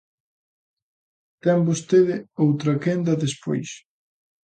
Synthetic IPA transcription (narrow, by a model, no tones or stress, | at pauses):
t̪ɛmbost̪eðɪowt̪ɾɐkend̪ɐðespo̰js